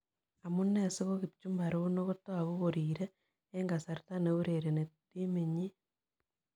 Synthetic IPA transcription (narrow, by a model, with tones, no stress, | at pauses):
a˨mu˦nːe˦se˦ɣo˦ki˨p̚t͡ʃumba˨ɾo˦no˦ɣo˦to˦aɣo˦ɣoɾiːɾeː | ŋɡa˨saɾtaneu˦ɾeɾe˨ne˨ti˦me˨ɲi˦